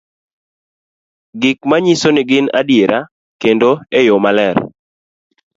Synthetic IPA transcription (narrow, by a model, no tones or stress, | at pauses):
ɡɪkmaɲisonɪɡɪna̰djeɾʔa | kendoejomalɛr